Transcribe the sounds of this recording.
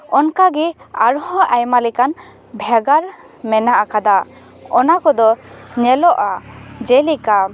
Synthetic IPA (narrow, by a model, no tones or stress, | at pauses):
ɔnkaɡɛaɾhɔ̃ʔajmalɛkan | bʱɛɡaɾ | mɛnaʔakad̪a | ɔnakɔd̪ɔɲɛlɔʔad͡ʒɛlika